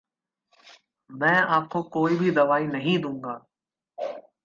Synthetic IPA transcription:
mɛ̃ːaːkʰoːkoːiːbʱid̪ɐʋaːiːnɐɦĩd̪ʱũːŋɡaː

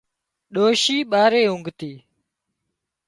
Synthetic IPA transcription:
ɗoːʃiːɓaːɾeːɦʊŋɡt̪iː

